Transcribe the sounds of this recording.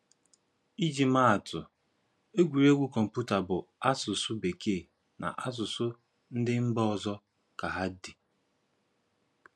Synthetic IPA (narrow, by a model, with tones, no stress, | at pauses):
i˦d͡ʒi˨ma˦a˨tʊ˨ | e˦ɡʷi˨ɾe˦ɡʷu˦kɔ˨m̩˨pu˦ta˨bʊ˨a˦sʊ˨sʊ˦be˨kʰe˦˨ | na̰˨ʔa˦s̬ʊ˨sʊ˦ | n̩˦dɪ˦m̩˦bɔ˦ɔ˨zɔ˦ | ka˨ɦa˦di˨